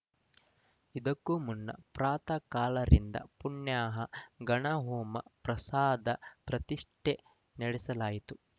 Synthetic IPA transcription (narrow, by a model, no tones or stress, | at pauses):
id̪ɐkːumunːɐ̰pɾaːt̪ɐkaːlɐɾḭnd̪ɐ̰puɳjaːɦɐɡɐɳɐɦuːmɐ̰pɾɐsaːd̪ɐpɾɐt̪iʂʈe | nɐɽɛsɐlaːjit̪u